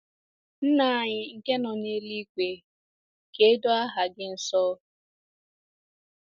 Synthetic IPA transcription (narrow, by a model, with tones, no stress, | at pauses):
n̩˦na˨ɲɪ˨ŋ̩˨ke˦nɔ˨ɲe˦li˦kʷe˨ | ke˦do˦a˦ɦa˨ɡɪ˦n̩˨sɔ˦